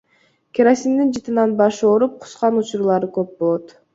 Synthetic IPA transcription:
kʲeɾasind̪ind͡ʒɯt̪ɯnɑnbɑʃoɾup̚qʰu̥sqɑnut͡ʃuɾulˠɑɾɯkøp̚bo̞lˠot̪

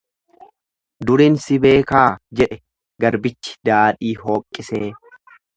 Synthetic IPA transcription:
d̪ʊɾiːnsɪbe̞ːkaːd͡ʒɛᶑɛ | ɡɐɾbɪt͡ʃːɪ̥d̪aːᶑiːɦoːkʼːɪseː

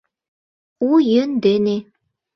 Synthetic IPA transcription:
ujɘnd̪ɘne

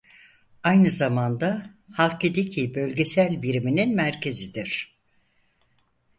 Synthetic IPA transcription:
ajnɯzamand̪a | halˠk̚ed̪icʰibølʲɟe̞sælʲbiɾimininmæɾcʰe̞zid̪iɾ̥

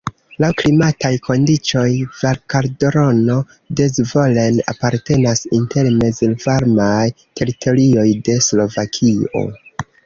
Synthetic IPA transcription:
lawklimatajkʰo̞ndit͡ʃo̞jvaɾkaɾdoɾo̞no̞ | dezvo̞lena̰paɾte̞nasinte̞lme̞zelvaɾmaj | tʰe̞ɾitʰo̞ɾio̞jde̞slo̞vakʰio̞̰

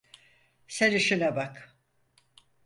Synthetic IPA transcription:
seɾiʃinabak

